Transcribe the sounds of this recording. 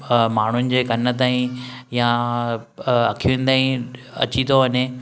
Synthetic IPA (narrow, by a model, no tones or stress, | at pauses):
maːɳ̤ʊnɪ̆d͡ʑeːɡɐnə̆t̪̬aːĩjã | ɐkʰiʋẽːn̆d̪aːĩ | ɐ̰t͡ɕit̪oʋɐɲe